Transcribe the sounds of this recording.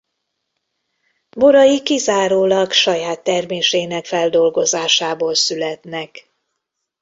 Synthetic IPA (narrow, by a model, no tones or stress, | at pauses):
boɾɒjikizaːɾoːlɒɡʃɒjaːt̪ːɛrmeːʃeːnɛkfɛld̪o̞lɡo̞zaːʃaːboːlsylɛt̪nɛk